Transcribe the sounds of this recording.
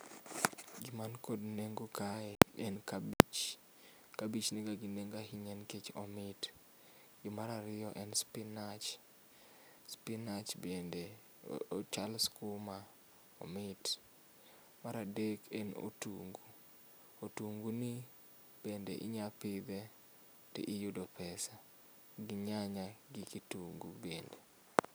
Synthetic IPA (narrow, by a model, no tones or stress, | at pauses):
ɡɪmankodneŋɡokaɛɛnkabit͡ʃ | kabit͡ʃniɡaɡineŋɡahiɲɛnket͡ʃɔ̰mɪt | ɡɪmaɾaɾɪɔʔɛnspɪnat͡ʃ | spɪnat͡ʃbende | ot͡ʃalskʊma | ɔ̰mɪt | maɾadekɛno̰tuŋɡu | otuŋɡuni | b̥endḛʔɪ̰ɲapɪd̪ɛ | tɪ̰ʔɪjudopʰɛsa | ɡɪɲaɲaɡikituŋɡubende